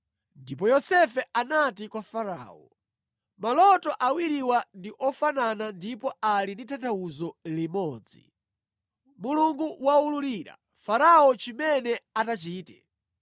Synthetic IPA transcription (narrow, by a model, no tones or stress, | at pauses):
ndipɔjɔsɛfɛʔanatikwafaɾa̰ːɔ | malɔtɔʔawiɾiwandiʔɔfananandipɔalinditʰantʰauzɔlimɔːd͡zḭ | muluŋɡuwauluɾiɾa̰ | faɾaɔt͡ʃimɛnɛatat͡ʃiːtɛ̰